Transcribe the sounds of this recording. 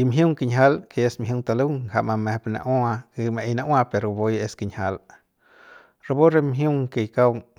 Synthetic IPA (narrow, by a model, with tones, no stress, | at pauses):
i˧mɦju˦ŋki˧ɲɦa˦lke˧e˧smɦju˦˧ŋt̪a˧lu˦ŋha˨ma˧me˧pna̰˧ʔa˦a˧ke˧ma˧e˧jna˧wa˦pe˨ɾo˨bo˦je˦ski˧ɲha˧l | ɾa˧bo˦ɾe˦mɦju˦ŋke˧jka˦w